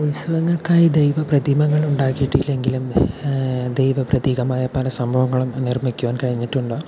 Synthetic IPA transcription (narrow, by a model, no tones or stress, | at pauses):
ulsɐʋɐŋːɐɭkaːjid̪ejʋɐprɐd̪ʱimɐŋːɐɭuɳɖaːkːijiʈːilːe̞ŋɡilum | d̪ejʋɐprɐd̪iːɣɐmaːjɐpɐlɐsɐmbʱɐʋɐŋːɐɭumnirmikʲːuʋaːnkɐɻiɲːiʈːuɳɖoː